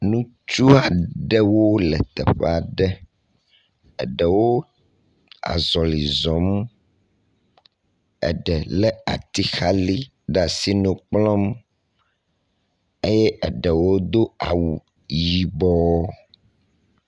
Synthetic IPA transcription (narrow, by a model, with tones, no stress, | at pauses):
nũ˦ | t͡ʃu˦a˨ɖɛ˦wo˦lɛ˨t̪ɛ̰˨ɸɛ˦˨a˨ɖɛ˦ | ɛ̰˨ɖɛ˨wo˦ | a̰˨zɔ˨li˨zɔ̃˨˦m | ɛ̰˨ɖɛ˨lɛ˦a̰˨t̪i˦xa˦li˦ | ɖa˨si˦nũ˨k͡plɔ̃˦m | e˦jɛ˦ʔɛ˨ɖɛ˨wo˦d̪o˦a˨wu˨ | ji˨bɔ˦